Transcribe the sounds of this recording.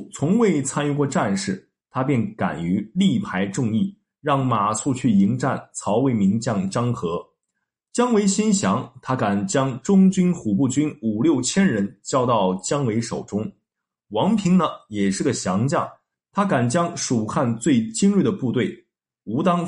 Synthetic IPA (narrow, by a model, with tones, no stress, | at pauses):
t͡sʰʊ˧˥ŋwe˥˩ɪt͡sʰa˥ny˥˧kwɔ˥˧ʈ͡ʂa˥˧nʂɻ̩˥˩ | t̪ʰa˥pjɛ˥˩nka̰˨˩ny˧˥li˥˩pʰa˧˥ɪʈ͡ʂʊ˥˧ŋi˥˩ | ɻɑ˥˩ŋma˨˩su˥˧t͡ɕʰy˥˩i˧˥ŋʈ͡ʂa˥˩nt͡sʰɑ˧˥ʊwe˧˥ɪmi˧˥ŋt͡ɕjɑ˥˩ŋt͡ɕɑ˥ŋxɤ˧˥ | t͡ɕjɑ˥ŋwe˧˥ɪɕi˥nɕjɑ˧˥ŋt̪ʰa˥ka˨˩nt͡ɕjɑ˥ŋʈ͡ʂʊ˥ŋt͡ɕy˥nxu˨˩pu˥˩t͡ɕy˥nu˨˩ljo˥˩ʊt͡ɕʰjɛ˥nɻə˧˥nt͡ɕjɑ˥ʊt̪ɑ˥˩ʊt͡ɕjɑ˥ŋwe˧˥ɪʂo̰˨˩ʊʈ͡ʂʊ˥ŋ | wɑ˧˥ŋpʰi˧˥ŋnə˨jɛ˨˩ʂɻ̩˥˩ɡə˩ɕjɑ˧˥ŋt͡ɕjɑ˥˩ŋ | t̪ʰa˥ka˨˩nt͡ɕjɑ˥ŋʂu˨˩xʰa˥˧nt͡swe˥˩ɪt͡ɕi˥nɻy˥˩d̪ə˩pu˥˧t̪we˥˩ɪ | u˧˥t̪ɑ˥ŋ